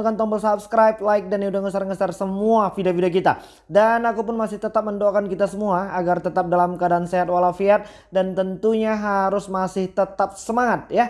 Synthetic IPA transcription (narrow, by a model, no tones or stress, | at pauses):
kant̪ɔŋbəlsap̚skɾajp̚laɪk̚daniudaŋəsarŋəsarsəmuafidiafidiak̬it̪a̰ | danakupʊnmasɪht̪ət̪ap̚məndoakankit̪asəmuaːɡart̪ət̪ap̚dalamkadaanseɦat̪̚walafiat̪̚ | dant̪ənt̪uɲaɦaɾʊsmasɪht̪ət̪ap̚səmaŋat̪̚ja